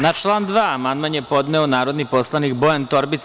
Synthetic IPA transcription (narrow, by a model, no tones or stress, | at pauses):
nat͡ʃlˠaːnd̪ʋaːmand̪manjepo̞d̪nɛonaːɾo̞d̪nipo̞slˠanikbojant̪o̞ɾbit̪s